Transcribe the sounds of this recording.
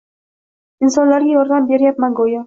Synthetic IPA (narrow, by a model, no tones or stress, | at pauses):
insɒnlaɾɡʲajɒɾd̪ambeɾjap̚maɡoja